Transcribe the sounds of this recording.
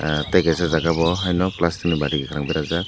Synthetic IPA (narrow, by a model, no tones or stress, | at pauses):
tajɡasazaɡabɔɦajnɔplastʰimibadiɡɛkʰaɾaŋbiɾaza